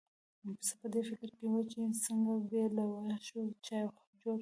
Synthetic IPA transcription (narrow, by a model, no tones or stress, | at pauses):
sapəd̪efɪkɾkewət͡ʃesəŋɡabelawaʃwət͡ʃɑjxad͡ʒoɾ